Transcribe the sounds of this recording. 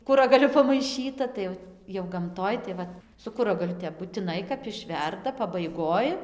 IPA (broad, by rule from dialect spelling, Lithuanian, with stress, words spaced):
ˈkʊrɐɡɐlʲʊ pɐmɐɪˈʃʲiːtɐ tɐɪ ˈjɛʊ jɛʊ ɡɐmˈtoːj tɐɪ ˈʋɐt sʊ ˈkʊrɐɡɐlʲʊ ˈtʲɛp bʊtʲɪˈnɐɪ kɐp ɪˈʃʲʋʲɛrdɐ pɐbɐɪˈɡoːj